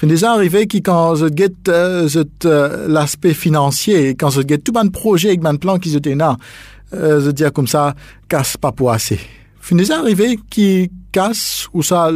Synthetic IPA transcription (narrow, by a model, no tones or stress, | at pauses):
fynd̪ezãaʁivekikɑ̃ʒət̪̚ɡɛt̪zət̪laspɛfinɑ̃sjeːkɑ̃ʒət̪̚ɡɛt̪ːubɛ̃d̪̚pχɔʒɛaɛk̚bɛ̃d̪̚plɑ̃k̬izət̪ena | ʒəd̪iʁkɔmsa | kaspapuʁasḛ | fynd̪ezãaʁivekikasusa